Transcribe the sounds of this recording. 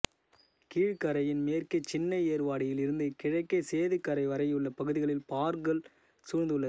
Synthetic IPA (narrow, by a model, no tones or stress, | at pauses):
kiːɻkɐɾɐjɪnmeːrkɐt͡ʃːɪnːɐɪeːɾʋaːɽɪjɪlɪɾɯnd̪ɯkɪɻɐɪkːɐseːðɯkːɐɾɐɪʋɐɾɐɪjɯɭːɐpɐɣɯðɪɣɐɭɪlpaːɾɡɐl | suɾnd̪ɯɭːɐ